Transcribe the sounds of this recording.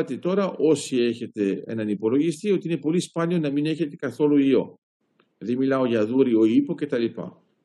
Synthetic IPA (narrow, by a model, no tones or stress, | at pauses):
ɐt̪et̪o̞ɾɐʔo̞sie̞çe̞t̪e̞e̞̰nɐnipo̞lo̞ʝist̪io̞t̪iinepo̞lispɐnio̞nɐmine̞çe̞t̪e̞kɐθo̞luio̞ | ðemilɐo̞ʝɐðuɾio̞ipo̞ce̞t̪ɐlipɐ̰